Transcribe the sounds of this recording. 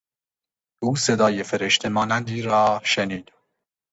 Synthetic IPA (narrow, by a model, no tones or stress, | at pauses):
ʔuːse̞d̪ɒːjefeɾeʃt̪ʰe̞mɒːnænd̪iːɾɒːʃeniːd̪